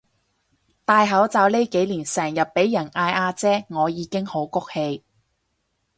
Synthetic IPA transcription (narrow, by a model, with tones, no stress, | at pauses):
t̪aː˧jɦɐ˨˥wt͡saː˨˧wle˥jke˨˥jliː˨˩nsɛː˨˩ŋjɐ˨˩p̚pe˨˥jːɐ˨˩naː˧jʔaː˧t͡sɛː˥ŋɔː˨˧jiː˨˧kɪ˥ŋho˨˥wkʊ˥k̚he˧j